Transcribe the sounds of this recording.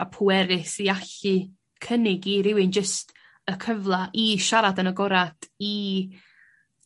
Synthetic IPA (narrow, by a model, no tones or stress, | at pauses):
apʰʊɛɾɪsiaɬɨ | kʰənɪɡiɾɪwɪnd͡ʒəst | əkʰəvlˠaʔiʃaɾadənəɡɔɾad̥i